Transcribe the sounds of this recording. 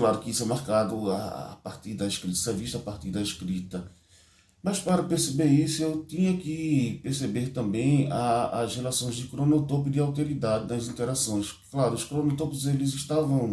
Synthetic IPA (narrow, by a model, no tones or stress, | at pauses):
klaɾʊkɪisʊɛmaɾkad̪ʊa̰a̰paɾt̪iɾd̪ɐiʃkɾit̪ɐ̥sɛviʃt̪ɐapaɾt̪iɾd̪ɐeʃkɾit̪ɐ | mɐspaɾɐpeɾsebeɾisʊewt̪ĩɲɐkɪpeɾsebeɾt̪ɐ̃mbẽj̃aːzhelasõj̃zd͡ʒ̪ɪkɾonot̪opɪd̪ɪawt̪eɾid̪ad̪ɪnɐzĩnt̪eɾasõj̃s | klaɾʊʊʃkɾonot̪opzelɪzɪʃt̪avɐ̃w̃